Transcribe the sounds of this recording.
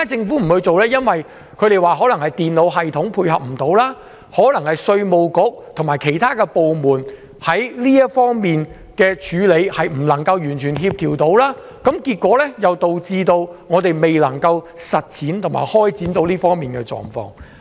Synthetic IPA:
a˥t͡sɪ˧ŋfuː˨˥m̩˨˩hu˨˧jt͡so˨wlɛː˥jɐ˥nwɐ˨j | kʰɵ˨˧ɥɾe˨jwaː˨ɦɔː˨˥lɐ˨˩hɐ˨jt̪iː˨nlo˨˧wɦɐ˨jt̪ʰʊ˨˥ŋpʰuː˧jɦɐ˨p̚m̩˨˩t̪o˨˧˥wlaː˥ | hɔː˨˥lɐ˨˩ŋhɐ˨jsɵ˧ɥmo˨wkʊ˨˥k̚t̪ʰʊ˨˩ŋmaː˨˩jkʰe˨˩jt̪ʰaː˥kɛː˧po˨wmuː˨˩n | hɐ˨˥jliː˥jɐ˥t̚fɔː˥ŋmiː˨n | kɛː˧t͡ʃʰyː˨˧le˨˧jhɐ˨jm̩˨˩lɐ˨˩ŋkɐ˧wjyː˨˩nt͡ʃʰyː˨˩nɦiː˧p̚t̪ʰiː˨˩wt̪o˨˥wlaː˥ | kɐ˨˥mkiː˧t̚kːʷɔː˨˥lɛ˥jɐ˨˧wt̪o˨wt͡siː˧t̪o˧wŋɔː˨˧t̪e˨jme˨jlɐ˨˩ŋkɐ˧w | sɐ˨t̚t͡sʰiː˨˥nt̪ʰʊ˨˩ma̰ː˨˩jhɔː˥jt͡siː˨˥nt̪o˧wliː˥fɔː˥ŋmiː˨nkɛ˧t͡ʃɔ̰ː˨ŋfɔ̰ː˧ŋ

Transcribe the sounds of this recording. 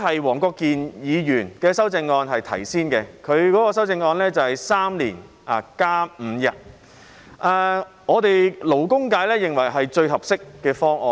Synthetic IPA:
hɐ˨jwɔː˨˩ŋkɔː˧kːiː˨njiː˨˧jyː˨˩nkɛː˧sɐ˥wt͡sɪ˧ŋːɔː˧nɦɐ˨jt̪ʰɐ̰˨˩jsiː˥nkɛ˧kʰɵ˨˧ɥkɔː˨˥kɔː˧s̬ɐ˥wt͡sɪ˧ŋɔː˧nlɛː˥t͡sɐ˨whɐ˨jsaː˥mliː˨˩n | a˨˩kaː˥m̩˨˧jɐ˨t̚ | ʔaː˨˧ | ŋɔː˨˧t̪e˨jlo˨˩wkʊ˥ŋkaː˧˥jlɛː˥jɪ˨ŋwɐ˨˩jɦɐ˨jt͡ʃɵ˧ɥɦɐ˨p̚sɪ˥kːɛː˧fɔː˥ŋʔɔː˨˧

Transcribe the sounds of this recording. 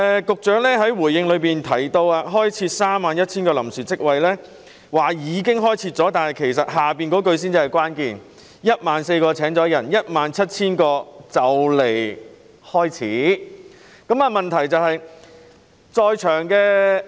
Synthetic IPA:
ɛ˨kʊ˨k̚t͡ʃœː˨˥ŋlɛː˥ɦɐ˨˥jwuː˨˩jɪ˧ŋlɵ˨˧ɥpiː˨nt̪ʰɐ˨˩jt̪o˧waː˧ɦɔː˥jt͡sʰiː˧t̚saː˥mːaː˨˧njɐ˥t̚t͡sʰiː˥nkɔː˧lɐ̰˨˩msyː˨˩t͡sɪ˥k̚wɐ˧jlɛː˥ | waː˨˩jiː˨˧kɪ˥ŋɦɔː˥jt͡sʰiː˧t̚t͡sɔː˨˥t̪aː˨nhɐ˨jkʰe˨˩jsɐ˨t̚ɦaː˨˩piː˨nkɔː˨˥kɵ˧ɥsiː˥nt͡si˧˩ɐ˨˩jkʷwaː˥nkiː˧n | jɐ˥t̚maː˨˧nse˧jkɔː˧t͡sʰɛː˨˥ŋt͡sɔː˨˥jɐ˨˩njɐ˥t̚maː˨˧nt͡sʰɐ˥t̚t͡sʰiː˥nkɔː˧t͡sɐ˨wle˨˩j | hɔː˥jt͡sʰiː˨˥ | kɐ˨˥mɐː˧mɐ˨nt̪ʰɐ˨˩jt͡sɐ˨˧whɐ˨j | t͡sɔː˧jt͡ʃʰœː˨˩ŋkɛː˧

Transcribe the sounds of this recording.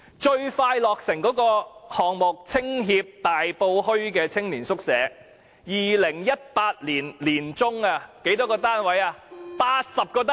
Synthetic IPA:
t͡ʃɵ˧ɥfaː˧jlɔː˨k̚sɪ˨˩ŋkɔː˨˥kɔː˧hɔː˨ŋmʊ˨k̚t͡sʰɪ˥ŋɦiː˧p̚t̪aː˨jpo˧whɵ˥ɥkɛː˧t͡sʰɪ˥ŋliː˨˩nsʊ˥k̚sɛː˨˥ | jiː˨˩lɪ˨˩ŋjɐ˥t̚paː˧t̚liː˨˩nliː˨˩nt͡sʊ˥ŋaː˧ke˨˥jt̪ɔː˨˥kɔː˧t̪aː˥nwɐ˨˥jaː˧paː˧t̚sɐ˨p̚kɔː˧t̪a˥

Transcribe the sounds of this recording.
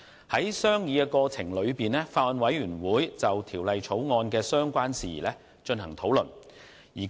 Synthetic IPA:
hɐ˨˥jsœː˥ŋjiː˨˧kɛː˧kɔː˧t͡sʰɪ˨˩ŋlɵ˨˧ɥpiː˨nɛː˥faː˧t̚wɐ˨nwɐ˨˥jɥyː˨˩nwuː˨˥jt͡sɐ˨wt̪ʰiː˨˩wlɐ˨jt͡sʰo˨˥wŋɔː˧nkɛː˧sœː˥ŋkʷaː˥nsḭː˨˩lɛː˥ | t͡ʃɵ˧nhɐ˨˩ŋt̪ʰo˨˥wlɵ˨˩n | jiː˨˩

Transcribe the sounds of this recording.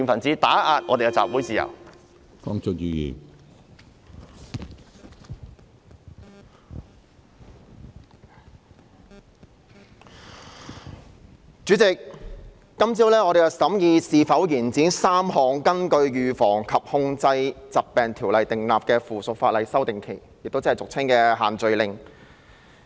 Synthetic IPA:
i˨˩nfɐ˨˩nt͡siː˨˧t̪aː˨˥ʔaː˧t̚ʔɔː˧te˨jkɛ˧t͡sa̰ː˨p̚wuː˨˥jt͡siː˨˩ɐ̰˨˩w | kɔː˥ŋt͡sɔ˥k̚jyː˨jḭː˨˩ | t͡ʃyː˨˥t͡sɪ˨k̚ː | ɐ˥mt͡siː˥wlɛː˥ŋɔː˨˧ɾe˨jɐ˨˩sɐ˨˥mjiː˧siː˨fɐ˨˥wjiː˨˩nt͡siː˨˥nsaː˥mhɔː˨˧ŋkɐ˥nkɵ˧ɥjyː˨fɔː˨˩ŋkʰɐ˨p̚hʊ˧ŋt͡sɐ˧jt͡sɐ˨p̚pːɛː˨˩nt̪ʰiː˨˩wlɐ˨jt̪ɪ˨ŋlaː˨p̚kɛː˧fuː˨sʊ˨k̚faː˧t̚lɐ˨jsɐ˥wt̪ɪ˨ŋkʰe˨˩j | jɪ˨k̚t̪o˥wt͡sɐ˥hjt͡sʊ˨k̚t͡sʰɪ˥ŋkɛː˧ɦaː˨˩nt͡sɵ˨˧ɥlɪ˨ŋ

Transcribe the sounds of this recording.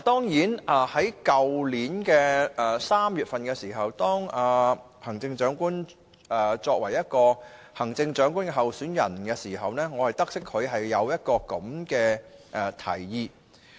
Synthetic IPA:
t̪ɔː˥ŋjiː˨˥nʔaː˨˩hɐ˨˥jkɐ˨wliː˨˥nkɛː˧ɛ˨saː˥mjyː˨t̚fɐ˨nkɛː˧siː˨˩ɦɐ˨wt̪ɔː˥ŋaː˨˩ | hɐ˨˩ŋt͡sɪ˧ŋt͡ʃœː˨˥ŋkuː˥n | ɛː˨t͡sɔː˧k̚wɐ˨˩jɐ˥t̚kɔː˧ | hɐ˨˩ŋt͡sɪ˧ŋt͡ʃœː˨˥ŋkuː˥nkɛ˧ɦɐ˨wsyː˨˥njɐ˨˩nkɛː˧siː˨˩ɦɐ˨wnɛː˥ŋɔː˨˧hɐ˨jt̪ɐ˥k̚sɪ˥k̚ʰːɵ˨˧ɥɦɐ˨jːɐ˨˧wjɐ˥t̚kɔː˧kɐ˨˥mkɛː˧ʔɛ˨˩t̪ʰɐ̰˨˩jjiː˨˧

